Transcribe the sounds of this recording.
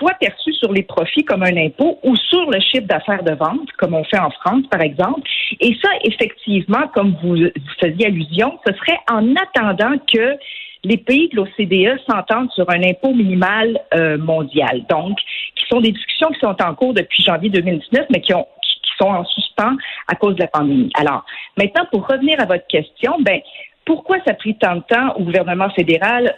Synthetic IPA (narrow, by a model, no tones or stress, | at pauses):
pwapɛʁsysyʁlepχɔfikɔmœ̃nɛ̃pousyʁləʃɪfd̪afɛːʁd̪əvɑ̃t̪kɔmɔ̃fɛɑ̃fχɑ̃spaʁɛɡzɑ̃plesʌʔefɛkt̪ivmɑ̃kɔmvuzifəzjealyzjɔ̃səsʁɛʔɑ̃nat̪ɑ̃d̪ɑ̃kəlepeid̪əlosed̪eœsɑ̃t̪ɑ̃d̪syʁɛ̃nɛ̃pominimalømɔ̃d̪ja̰ld̪ɔ̃kʲːi̥sɔ̃d̪ed̪iskʲy̥sjɔ̃kʲi̥sɔ̃t̪ɑ̃kuːʁd̪əpɥiʒɑ̃vjed̪øːmild̪iznœfmɛkʲiɔ̃kʲi̥kʰʲi̥sɔ̃ɑ̃syspɑ̃a̰koːzd̪əlapɑ̃d̪emḭʔa̰lɔ̰ːʁmɛ̃t̪̚nɑ̃puʁːəvniːʁavɔt̪χkʲɛst̪jɔ̃bɛ̃puʁkwasapχit̪ɑ̃d̪ət̪ɑ̃o̰ɡuvɛʁnəmɑ̃fed̪eʁal